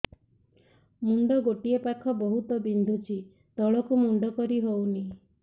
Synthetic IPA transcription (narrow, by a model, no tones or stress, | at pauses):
muɳɖɔɡoʈiepakʰɔbɔɦut̪ɔbind̪ʱut͡ʃʰi | t̪ɔɭɔkumuɳɖɔkɔɾiɦowni